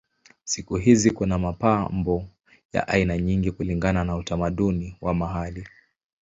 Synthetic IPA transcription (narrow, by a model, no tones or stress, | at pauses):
sikuɦizikunamapambɔ | ja̰ʔainaɲiŋɡikuliŋɡananautamaɗuniwamaɦali